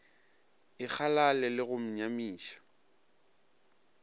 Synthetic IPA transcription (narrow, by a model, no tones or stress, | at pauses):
ɪk͡xʰalalɛlɪɣʊm̩ɲamiːʃḁ